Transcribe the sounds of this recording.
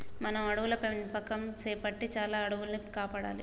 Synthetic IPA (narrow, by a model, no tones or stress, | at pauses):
mɐnɐmɐɽuʋulɐpenpɐkːɐmt͡ʃeːpɐʈːit͡ʃaːlaːɐɽuʋulɐnikaːpaːɽa̰ːlḭ